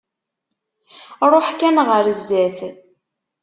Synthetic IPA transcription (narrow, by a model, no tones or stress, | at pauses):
ɾˤoħkænʁəɾəzːæθ